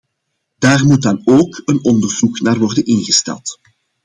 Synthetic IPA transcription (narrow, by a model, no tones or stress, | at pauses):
d̥aːrmut̚dɑnoːkənɔndərzuknaːrʋɔrdənɪnɣəstɛ̰lˠt